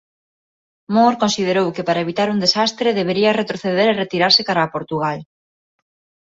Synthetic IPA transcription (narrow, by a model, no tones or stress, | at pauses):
moɾkonsið̞eɾowkɪpaɾɐeβ̞it̪aɾuŋd̪esast̪ɾeðeβ̞eɾiɐret̪ɾoθeðeɾeret̪iɾaɾsekaɾaːpoɾt̪uɣal